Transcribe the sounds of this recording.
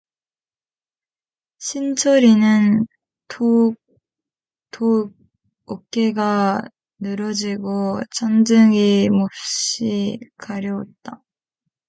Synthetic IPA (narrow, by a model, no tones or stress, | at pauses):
ɕʰint͡ɕʰʌɾinɯn | tʰo | tʰo | ok͈e̞ɡa | nɯɾʌd͡ʑiɡot͡ɕʰand͡ʑɯŋimop̚ɕɕ͈ikaɾjʌo̰t̚t͈a